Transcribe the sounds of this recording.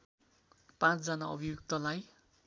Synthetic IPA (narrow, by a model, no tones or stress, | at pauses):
pãt͡sd͡zanaʌbʱijuk̚t̪ʌlaj